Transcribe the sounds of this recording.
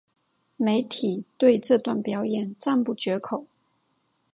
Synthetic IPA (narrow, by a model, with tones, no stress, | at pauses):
me˧˥˦ɪt̪ʰi˨˩˦t̪we˥˧ɪʈ͡ʂɤ˥˧t̪wa˥˩npjɑ˧˥ʊjɛ˨˩nʈ͡ʂa˥˧npu˥˩t͡ɕɥɛ˧˥kʰo˨˩˦ʊ